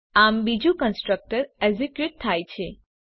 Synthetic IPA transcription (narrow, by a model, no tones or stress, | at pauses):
ambid͡ʒũkənsʈɾək̚ʈəɾezikjuʈ̚t̪ʰːajt͡ʃʰe